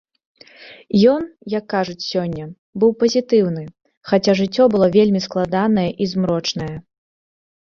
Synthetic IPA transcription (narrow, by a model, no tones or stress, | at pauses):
jɔnjɐkːaʐut͡sʲsʲɔnʲːɐ | bɨwpɐzʲit̪ɨwnɨ | xat͡sʲaʐɨt͡sʲːɔbɨlˠɔvʲelʲmʲisklˠad̪anɐjɐʔizmɾɔt͡ʂn̪ɐjɐ